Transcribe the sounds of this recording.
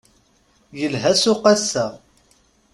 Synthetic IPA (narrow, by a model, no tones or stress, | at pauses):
jəlɦæsʊqæsːæ